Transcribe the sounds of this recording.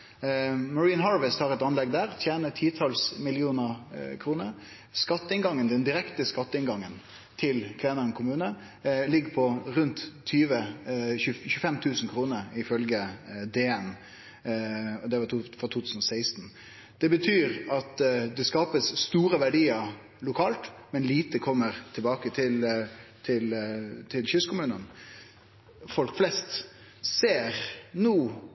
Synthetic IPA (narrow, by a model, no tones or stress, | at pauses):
mɑɹiːnɦɑːɹʋəst̪hɑɾɛt̪ɑnlɛɡ̚d̪æːʁt̪ʰjeːnət̪ʰiːt̪ʰɑlsmɪlɪuːnəkʰɾuːnəɾ | skɑt̪ːəɪnɡɑŋːənd̪ɛnd̪ɪɾɛkt̪əskɑt̪ːəɪnɡɑŋːən | t̪ʰɪlkʰʋeːnəɾənkʰʊmʉːnə | lɪɡːəpʰɔɾʉnt̪ʰːyːʋəʉçʉːəfɛmt̪ʰʉːsn̩kʰɾuːnəɾɪfœlɡəd̪eːɛn | ɔd̪ɛʋɑfɾɑt̪ʰuːt̪ʰʉːsn̩ɔsæɪst̪n̩ | d̪̥ɛbət̪ʰyːɾɑt̪d̪ɛskɑːpəsːt̪uːɾəʋæɖiːəɾ | lʊkʰɑːlt̪mɛnliːt̪əkʰɔmːəɾt̪ʰɪlbɑːkət̪ʰɪlt̪ʰɪlt̪ʰɪlɕʏskʊmʉːnən | fɔlkflɛst̪ | seːɾnuː